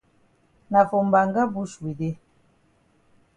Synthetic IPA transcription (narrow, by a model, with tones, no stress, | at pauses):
na˨fo˨mba˨ŋɡa˦bu˦ʃi˨de˦